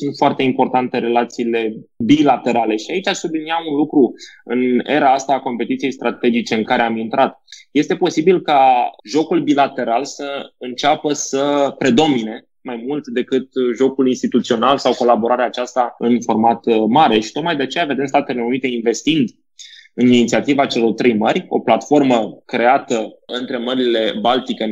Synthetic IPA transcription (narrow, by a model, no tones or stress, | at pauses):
sunt̪foart̪e̞impo̞rt̪ant̪e̞ɾe̞lat̪siːle̞bilat̪e̞ɾale̞ʃiait͡ʃasubliniaunlukɾuɨ̰ne̞̰ɾaast̪aːko̞mpe̞t̪it̪sije̞jst̪ɾʔat̪e̞d͡ʒit͡ʃe̞ɨŋkaɾe̞amint̪ɾʔat̪je̞st̪e̞po̞sibilkaʒo̞kulbilat̪e̞ɾalsəɨnt͡ʃapəsəpɾe̞d̪o̞mine̞ | majmult̪d̪e̞kɨt̪ʒo̞kulinst̪it̪ut̪sio̞nalsawko̞labo̞ɾaɾeaːt͡ʃast̪aɨnfo̞rmat̪maɾe̞ʃi̥t̪o̞t̪̚majd̪eat͡ʃe̞jave̞d̪e̞mst̪at̪e̞le̞unit̪e̞inve̞st̪ind̪ | ɨninit̪siat̪ivat͡ʃe̞lo̞rt̪ɾejməɾʲo̞̰plat̪fo̞rməkɾe̞at̪əɨnt̪ɾe̞məɾile̞balt̪ike